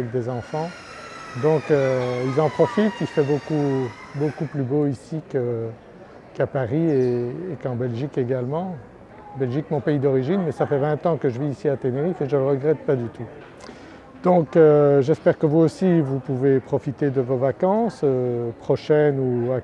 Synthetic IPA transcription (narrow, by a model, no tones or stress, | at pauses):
ɛk̚d̪ezɑ̃fɑ̃ | d̪ɔ̃køilzɑ̃pχɔfit̪ilfɛbokubokuplyboisikə | kapaʁieːkɑ̃bɛlʒikeɡalmɑ̃ | bɛlʒikmɔ̃peid̪ɔʁiʒinmɛsafɛvɛ̃t̪ɑ̃kəʒəviːsiat̪eneʁifeʒələʁəɡʁɛt̪̚pad̪yt̪u | d̪ɔ̃køʒɛspɛʁkəvuosivupuvepχɔfit̪ed̪əvovakɑ̃søpχɔʃɛnua